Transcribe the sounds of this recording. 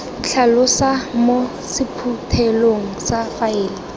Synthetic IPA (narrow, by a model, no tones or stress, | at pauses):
ɬʰalʊsamo | sɪpʰutʰɛloŋ̩safaeːlɪ